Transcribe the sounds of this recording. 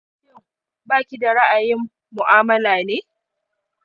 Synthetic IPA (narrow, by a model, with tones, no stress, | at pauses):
ɪ˦˨ŋ | baː˦kʲi˨da˨ɾa˦ʔa˨jɪ˦mː | ʊ˨ʔaː˦mɐ˦laː˨neː˦